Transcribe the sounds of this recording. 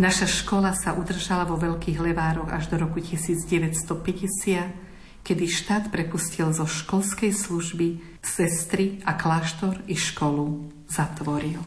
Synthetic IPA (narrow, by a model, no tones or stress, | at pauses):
naʃaʃkɔlasaʔud̪r̩ʒalaʋɔʋɛʎkiːɣlɛʋaːɾɔɣa̰ʒd̪ɔɾɔkucisiːd͡zɟɛʋɛcst̪ɔpɛɟɛsɪat̪ | kɛd̪iʃt̪aːt̪pɾɛpuscilzɔʃkɔlskɛjsluʒbi | sɛst̪ɾiaklaʃt̪ɔɾiʃkɔlu | zat̪ʋɔɾil